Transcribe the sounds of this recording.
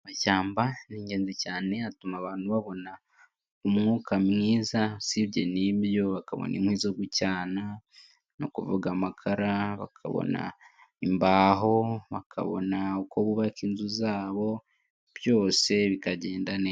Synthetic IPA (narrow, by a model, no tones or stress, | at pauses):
maʃaːmbaniːɲɟe̞ːnzicaːne̞atumaːβaːnhuβaβo̞na | umŋuːkamŋiːzasiβjeniβjo̞βaka̰βo̰nḭmhwiːzoɡucaːna | no̰kuvuɡamakʰaɾaβa̰kʰa̰βo̰na̰ | imbaːɦo̞βakʰa̰βo̞̰naukʰo̞βuβakiːnzuzaːβo̞ | βjo̞ːse̞βikaɟe̞ːndane